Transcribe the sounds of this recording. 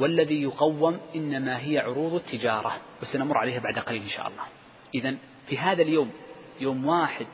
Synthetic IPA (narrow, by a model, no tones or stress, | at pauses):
walːaðijʊqɑwːɪmʔɪnːamaɦɪjaʕʊɾuːðˤat̪ʰːɪd͡ʒɑːɾˤɑwɪsanamʊrːʕaleːhbaʕd̪ʔaqɑliːlʔɪnʃa̰ːʔɑ̰lˤːɑː | ʔɪðan | fiɦaːðaljoːm | joːmwaːħɪd̪̚